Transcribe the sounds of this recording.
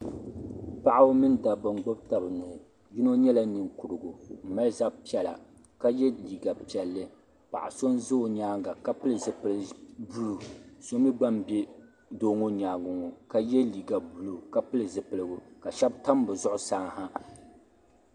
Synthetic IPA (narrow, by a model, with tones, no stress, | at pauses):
pa˦ʔa˦ʊ˦mɨ˦n˦da˨ba˨ŋɡ͡bo˦b̚ta˨bɨ˨nʊ˨ | ji˦no˦ɲɛ˦la˦nɨ˨ŋku˨ɾɨ˨ɡo˨m̩˨mɛ˦za˦bpi˦ɛ˨la̰˨ | ka˦jɛ˦liː˨ɡa˨pi˨ɛ˨lːɨ˦ | pa̰˨ʔa̰˨so˦nzo˦˨ɲaː˦ɡa˨ka˦pɨ˦lɨ˨zɨ˨pɨ˨lbu˦lu˨so˦mi˦ɡ͡ba˦mbɛ˦ | do˦ŋo˦ɲaː˨ɡʊ˨ŋo˨ka˦jɛ˦liː˨ɡa˨bu˨lo˨ka˦pɨ˦lɨ˨zɨ˨pɨ˨lɨ˨ɡʊ˨ka˨ʃɛ˦bta˦m˦bɨ˨zʊ˦ʔʊ˦saː˦ŋha˦